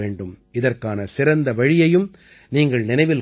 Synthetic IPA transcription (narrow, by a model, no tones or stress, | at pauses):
eːɳɖɯmɪðɐrkaːnɐsɪɾɐnd̪ɐʋɐɻɪjɐjɯm | niːŋɡɐɭnɪnɐɪʋɪl